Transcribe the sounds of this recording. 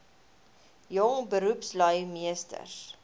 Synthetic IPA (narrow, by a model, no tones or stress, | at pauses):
jɔŋbəɾupslœɥmiəstə̰s